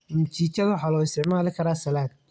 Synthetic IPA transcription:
mʊt͡ʃiːt͡ʃɐðwʊħɑːlɔːɪst̪ʰɪʕmaːlɪkʰɐɾaːsɐlaːd̪̚

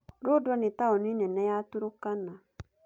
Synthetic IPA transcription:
ɾodɔnɪ̃taɔnĩnɛ̃nɛjatuɾokana

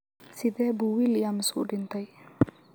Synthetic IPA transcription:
sid̪ɛbuwilijamsuʔɖint̪aj

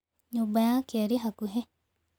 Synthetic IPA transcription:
ɲobajãkeɾiɦakuɦe

